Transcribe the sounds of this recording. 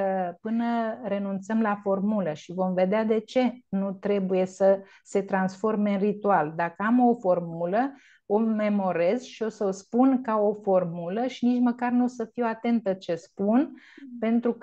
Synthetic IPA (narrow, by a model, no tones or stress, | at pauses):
pɨnəɾe̞nunt̪səmlafo̞rmuləʃivo̞mve̞d̪ead̪e̞t͡ʃe̞nut̪ɾe̞buje̞sə | se̞t̪ɾansfo̞rmeɨnrit̪uald̪akəamo̞fo̞rmulə | o̞me̞mo̞ɾe̞zʃio̞səospunkao̞fo̞rmuləʃinit͡ʃməkarnusəfiwat̪e̞nt̪ət͡ʃe̞spunpe̞nt̪ɾuk